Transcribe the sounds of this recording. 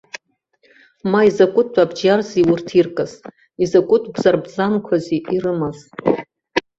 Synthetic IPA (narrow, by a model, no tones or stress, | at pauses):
maizakʷʼʊt̚ʰːʷʼabd͡ʒarziwurtʰirkʼaz | izakʷʼʊtʰbz̥arbzamkʷʰaziʔirɨmaz